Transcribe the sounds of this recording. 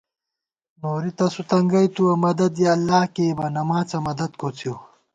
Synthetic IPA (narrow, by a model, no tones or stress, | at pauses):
noːɾit̪ɐsut̪ɐŋɡɐjt̪uɐmɐd̪ɐd̪jeɐlːaːkeːbɐnɐmãːt͡sɐmɐd̪ɐd̪̚kʰot͡sʰjo